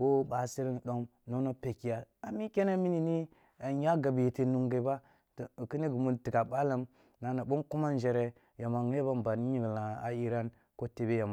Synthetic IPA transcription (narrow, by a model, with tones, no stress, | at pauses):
ko˦ɓa˨si˦ɾi˦n˨ɗo˦mno˦no˦pe˨ki˨ja˨a˨mi˦ke˦ne˦mi˦ni˨ni˦ | a˨ja˦ɡa˨bi˨je˨te˨nu˨ŋɡa˨˦ba˦˨ | ki˦ni˦ɡu˨mu˦nti˨ka˨ɓa˦la˦m | na˨na˨ɓo˦nku˦ma˦n˦d͡ʒe˨ɾe˨ | ja˨ma˨ŋe˦ba˦mba˨ni˦i˦ɡla˨a˦i˦ɾa˦n | ko˦te˨be˦ja˨ma˨